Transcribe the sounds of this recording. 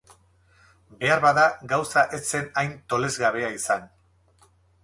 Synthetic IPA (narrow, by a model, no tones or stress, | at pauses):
be̞aɾβaðaɡawsaʔe̞t͡se̞najnt̪o̞le̞zɣaβe̞aisan